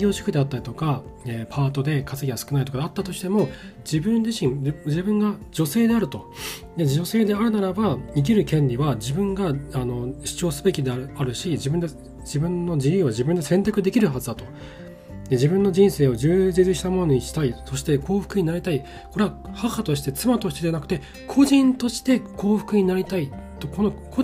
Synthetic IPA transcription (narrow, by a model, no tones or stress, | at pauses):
ɡʲo̞ːɕo̥kɯ̟d̪e̞at̪ːaɾit̪o̞kaeːpʰaːt̪o̞d̪e̞kat͡sɨɡʲiasɨ̥kɯnait̪okad̪eat̪ːat̪o̞ɕi̥t̪e̞mo̞ | d͡ʑibɯ̟̃nd͡ʑiɕĩd͡ʑibɯ̟̃ŋɡad͡ʑo̞se̞ːd̪e̞aɾɯ̟t̪o̞ | d̪e̞d͡ʑo̞se̞ːd̪e̞aɾɯ̟naɾabaik̬ʲiɾɯ̟kẽ̞ɲɾʲiβad͡ʑibɯ̟̃ŋɡaano̞ɕi̥t͡ɕo̞ːsɨbe̞kʲid̪eaaɾɯ̟ɕid͡ʑibɯ̃nd̪e | d͡ʑibɯ̟̃nːo̞d͡ʑiɯːβaʑibɯ̟̃nd̪e̞sẽ̞nt̪̬akɯ̟d̪e̞kʲiɾɯ̟ɦazɨd̪at̪o̞ | d̪e̞d͡ʑibɯ̟̃nːo̞d͡ʑĩɰ̃se̞ːo̞ʑɨːd͡ʑit͡sɨɕi̥t̪amo̞no̞ɲ̟iɕi̥t̪aiso̞ɕi̥t̪e̞kʰo̞ːɸɯ̟̥kɯ̟ɲ̟inaɾʲit̪ai | ko̞ɾe̞ahahat̪o̞ɕi̥t̪e̞t͡sɨmat̪oɕit̪e̞d̪eanakɯ̟t̪e̞ | kʰo̞ʑĩnt̪o̞ɕi̥t̪e̞kʰo̞ːɸɯ̟̥kɯ̟ɲ̟inaɾʲit̪ait̪ːo̞ko̞noko